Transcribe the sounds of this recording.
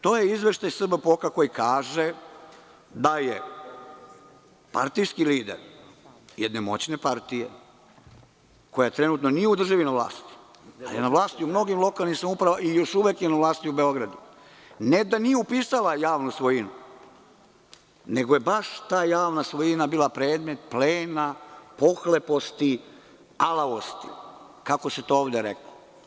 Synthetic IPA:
t̪o̞ːjeizʋe̞ʃt̪ajsr̩bapo̞kako̞jikaːʒe | d̪aje | pa̰ɾt̪ijskiliːd̪ḛɾ | jed̪nemo̞̰t͡ɕne̞paɾt̪ijḛ | ko̞jat̪ɾe̞nut̪no̞nijeud̪ɾr̩ʒaʋinaʋlˠa̰ːst̪i̥ | a̰ljenaʋlˠaːst̪iumno̞ɡimlˠo̞kalˠnisamaupɾaʋaijo̞ʃuʋekjenaʋlˠaːst̪iubeo̞ɡɾad̪u | ned̪anijeupiːsalˠajaːʋnusʋojinu | ne̞ɡojebaʃt̪aːjaːʋnasʋo̞jinabiːlapɾe̞ːd̪me̞t̪̚pleːnapo̞xlepo̞st̪i | alaost̪ḭ | kako̞set̪ooːʋd̪eɾḛklo

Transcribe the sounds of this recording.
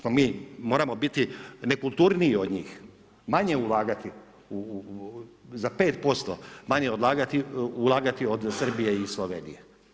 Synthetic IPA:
nomiːmo̞ːɾamo̞bit̪ine̞kulˠt̪uːɾniːod̪ɲiːx | maɲe̞ulˠaːɡat̪i | u | zape̞ːt̪po̞st̪omaɲeo̞d̪laːɡat̪iulˠaːɡat̪iod̪sr̩bijeisloʋḛnḭje

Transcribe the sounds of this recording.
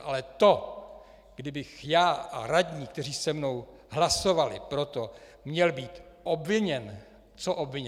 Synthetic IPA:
ʔalɛt̪o̞ | ɡ̥dɪbɪxjaːʔa̰ɾaɟɲiːk̚t̪ɛr̝iːsɛmno̞w | ɦlaso̞valɪ̰pɾo̞t̪o̞ | mɲɛlbiːt̪ʔo̞bvɪɲɛn | t͡soʔo̞bvɪɲɛ

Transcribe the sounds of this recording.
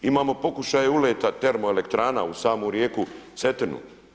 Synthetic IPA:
imaːmo̞po̞kuʃaːjeuleːt̪at̪e̞ɾmoele̞kt̪ɾaːna̰usaːmoːɾjeːkuset̪enṵ

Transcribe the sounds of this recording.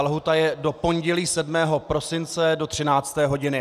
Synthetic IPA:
lɦut̪ajɛdo̞po̞nɟɛliːsɛdmɛːɦo̞pɾo̞sɪnt͡sɛdo̞t̪r̥ɪnaːt͡st̪ɛːɦoɟɪnɪ

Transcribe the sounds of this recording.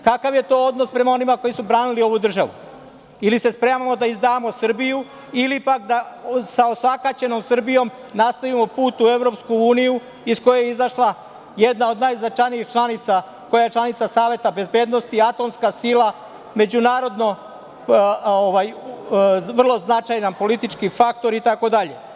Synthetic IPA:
kakaʋje̞t̪o̞ːod̪no̞spɾe̞mao̞nimako̞jisubɾaːnilio̞ʋud̪r̩ʒaʋṵ | ilise̞spɾemamo̞d̪aizd̪aːmo̞sr̩biju | ilipakd̪asaosʋakat͡ɕe̞no̞msɨr̩bijo̞m | nast̪aʋimo̞puːt̪ue̞ʋɾo̞pskuuːniju | isko̞jejeizaʃlˠa | jed̪nao̞d̪najznat͡ʃajniixt͡ʃlˠanit̪sa | ko̞jaje̞t͡ʃlˠanit̪sasaːʋje̞t̪abe̞zbe̞ːd̪no̞st̪iat̪o̞mskasilˠa | me̞d͡ʑunaːɾo̞d̪no̞ | oʋaj | ʋr̩lˠo̞znat͡ʃajnanpo̞lit̪it͡ʃkifakt̪o̞ɾit̪ako̞d̪aʎe̞̰

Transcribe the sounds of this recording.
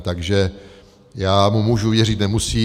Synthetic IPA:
t̪aɡʒɛ | jaːmumuːʒuvjɛr̝ɪt̪nɛmusiː

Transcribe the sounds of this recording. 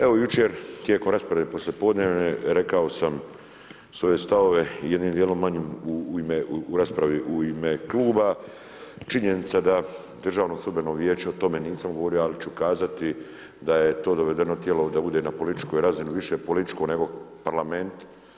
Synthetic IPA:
e̞ʋo̞jut͡ʃeːɾt̪jeːko̞mɾaːspɾaʋepo̞slʲje̞po̞d̪neːʋneɾekao̞sam | sʋo̞je̞st̪aʋo̞ʋe̞jed̪nimd̪jeːlo̞mːaɲimuuimeuɾaːspɾaʋiʔuimekluːba | t͡ʃiɲenit̪sad̪a | d̪ər̩ʒaːʋnoslud̪̚beno̞ʋjeːt͡ʃeot̪o̞me̞niːsamɡoʋoɾioalit͡ʃukaːzat̪i | d̪ajet̪o̞ːd̪o̞ʋe̞d̪enot̪je̞lo̞d̪abud̪e̞napo̞lit̪i̥t͡ʃko̞jiɾaziniʋiʃepo̞lit̪i̥t͡ʃkone̞ɡo̞paɾlame̞nt̪

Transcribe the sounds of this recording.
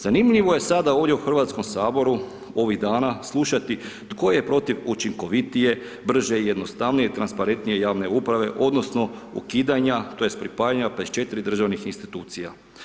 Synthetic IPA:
z̥animʎiʋo̞je̞sad̪ao̞ːʋdʲje̞uxr̩ʋaːt̪sko̞msaːbo̞ɾu | o̞ʋiɣd̪aːnaslˠuʃat̪i | t̪ko̞jejepɾo̞t̪iʋut͡ʃiŋko̞ʋit̪ije̞ | br̩ʒeije̞d̪no̞st̪aʋnije̞it̪ɾanspaɾe̞nt̪nije̞jaːʋne̞upɾaʋe̞̰ʔo̞d̪no̞sno̞ṵkiːd̪aɲat̪o̞je̞st̪pɾipaːjaɲapet̪t͡ʃet̪ɾid̪r̩ʒaʋnixinst̪i̥t̪uːt̪sija̰

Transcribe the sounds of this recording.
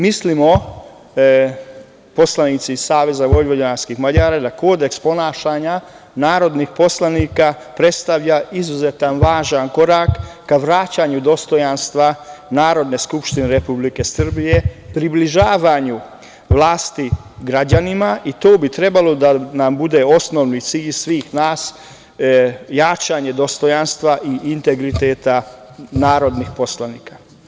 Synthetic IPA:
mislimo | po̞slanit̪sisaːʋe̞zaʋo̞jʋodonaɾskixmaʎaːɾad̪ako̞ːd̪e̞kspo̞naːʃaːɲa | naːɾo̞d̪nixpo̞slˠaniːka | pɾe̞t̪st̪aʋʎaizuzet̪anʋaːʒanko̞ɾakː | aʋɾaːt͡ɕaɲud̪o̞st̪o̞janst̪ʋanaːɾo̞d̪ne̞skupʃt̪ineɾepublike̞sr̩bije̞pɾibliʒaːʋaɲu | ʋlaːst̪i | ɡɾad͡ʑanimaʔit̪oːbit̪ɾe̞balo̞d̪anambud̪e̞o̞snoʋnit̪siːʎsʋiːxnaːs | jaːt͡ʃaɲe̞d̪o̞st̪o̞janst̪ʋaʔiːnt̪e̞ɡɾit̪eːt̪anaːɾo̞d̪nixpo̞slaniːkḁ

